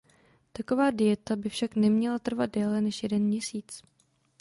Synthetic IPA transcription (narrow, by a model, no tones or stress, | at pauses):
t̪akovaːdɪjɛt̪abɪfʃaknɛmɲɛlat̪r̩vad̪̚dɛːlɛnɛʃjɛdɛnmɲɛsiːt͡s